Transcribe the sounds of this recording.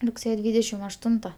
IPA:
rʊkˈsʲeːjɛ ˈdʲʋʲiːdʲɛʃʲɪm ɐʃˈtʊntɐ

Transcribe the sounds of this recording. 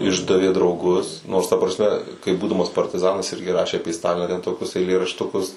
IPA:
ˈɪʒdɐʋʲeː drɐʊˈɡʊs noːrs tɐ prɐsʲˈmʲɛ kɐɪ ˈbuːdɐmɐs pɐrʲtʲɪˈzɑːnɐs ˈɪrʲɡʲɪ ˈrɑːʃʲeː ɐˈpʲeː ˈstɑːlʲɪnɑː tʲɛn toːˈkʲʊs ɛɪlʲeːrɐʃtʊˈkʊs

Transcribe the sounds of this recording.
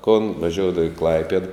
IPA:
koːn ʋɐˈʒʲoːʊdɐʋɐ ɪ ˈklˠɐɪpʲiɛt

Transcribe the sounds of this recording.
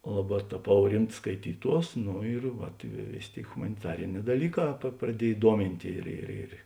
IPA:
ˈlˠɑːˌbɑː tɐˈpɐʊ ˈrʲɪmts skɐɪˈtʲiːˌtuɔs ˈnʊ ɪr ˈʋɐt ɪ ʋʲeː ˈʋʲeːsʲeː ˈtʲeːɪ ɣʊmɐnʲɪˈtɑːrʲɪnʲɛː dɐˈlʲiːˌkɑː prɐˈdʲiɛj ˈduɔmʲɪnʲtʲ ɪr ɪr ˈɪr

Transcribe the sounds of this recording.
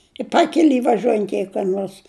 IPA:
ɪ ˈpɑːkʲɛlʲɪ ʋɐˈʒʲuɔjɛnt jɛɪ kɐ ˈnuɔrs

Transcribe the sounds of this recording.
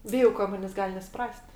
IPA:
ˈbʲɪjɛʊ kɐ ˈmɑːnʲeːsʲ ˈɡɐlʲ nʲɛsʊˈprɐsʲtʲ

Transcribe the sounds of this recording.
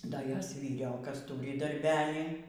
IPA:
ˈdɐ ˈjoːs ʋʲiːˈrʲoːkɐs ˈtuːrʲɪ dɐrʲˈbʲæːlʲiː

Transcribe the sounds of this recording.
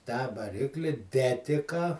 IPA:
tɑː ʋɐˈrʲɪklʲɪ ˈdʲæːtʲɪkɐ

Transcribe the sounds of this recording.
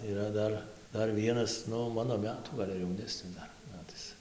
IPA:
iːˈrɐ ˈdɐr ˈdɐr ˈʋʲiɛnɐs ˈnʊ ˈmɑːnoː ˈmʲæːtuː ˈɡɐlʲ ɐr jɛʊˈnʲæːsʲnʲɪs ˈdɐr ˈmʲæːtɐɪs

